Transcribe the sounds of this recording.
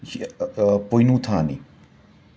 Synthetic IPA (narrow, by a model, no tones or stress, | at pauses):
pojnutʰani